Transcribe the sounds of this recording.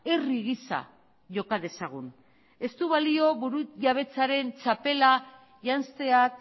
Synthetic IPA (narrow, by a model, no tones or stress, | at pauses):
eriɣisa̰ | ʝo̞kað̞e̞saɣ̞un | e̞st̪uβalio̞βuɾuʝaβ̞e̞t͡saɾe̞nt͡ʃape̞la | ʝanst̪eak